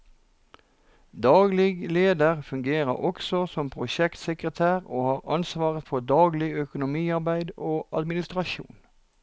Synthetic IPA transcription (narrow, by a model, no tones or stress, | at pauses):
d̪ɑːɡlɪɡleːd̪əʁfʉŋɡeːʁə̰ɔksɔsɔmpʰʁʊʃɛkt̪səkʁət̪ʰæːʁoːhɑːʁɑnsʋɑːʁət̪fɔd̪ɑːɡlɪœkʊnʊmiːɑʁbæɪd̪oːʔɑ̰d̪mɪnɪst̪ʁɑʃṵːn